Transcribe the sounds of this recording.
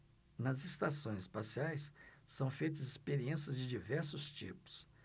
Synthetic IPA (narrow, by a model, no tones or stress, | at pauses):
nɐzest̪asõj̃zɪspasiajsːɐ̃w̃fejt̪ɐzɪspeɾiẽsiɐzd͡ʒɪd͡ʒivɛɾsʊst͡ʃḭpʊ̥s